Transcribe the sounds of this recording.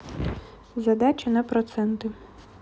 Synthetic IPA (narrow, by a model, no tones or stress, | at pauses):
zɐd̪ɑt͡ʃʲɪnɐpɾɔt̪sɛnt̪ɪ